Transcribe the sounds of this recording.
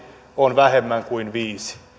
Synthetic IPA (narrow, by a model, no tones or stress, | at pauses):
onʋæhemːæŋkuinʋiːsi̥